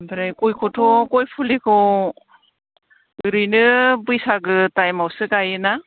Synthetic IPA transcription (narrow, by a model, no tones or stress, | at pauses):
bɾajkojkʰɔtʰɔkɔjpʰulikʰɔ | ɯɾɯjnɯbɯjsaɡɯtajmawsɯkajɯna